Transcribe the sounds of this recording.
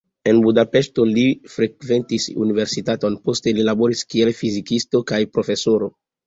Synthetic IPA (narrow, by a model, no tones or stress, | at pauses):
e̞nbudape̞ʃto̞lifɾe̞kve̞ntisṵnive̞ɾsitato̞npo̞ste̞lilabo̞ɾiskielfizikisto̞kajpɾo̞fe̞so̞ɾo̞